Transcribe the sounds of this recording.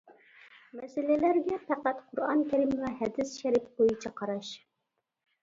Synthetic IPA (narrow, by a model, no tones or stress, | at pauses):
mɛsɪlɪlæɾɡʲɛpʰæqæt̪qʰʊɾɑ̰nkʲʰæɾɪmvɛɦɛd̪ɪsʃɛɾɪk̚b̥ojit͡ʃʰɑqʰɑɾɑʃ